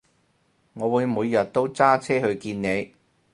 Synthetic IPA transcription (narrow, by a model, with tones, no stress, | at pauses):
ŋɔː˨˧wuː˨˧jmuː˨˧jːɐ˨˩t̚t̪o˥wt͡saː˥t͡sʰɛː˥hɵ˧ɥkiː˧nne˨˧j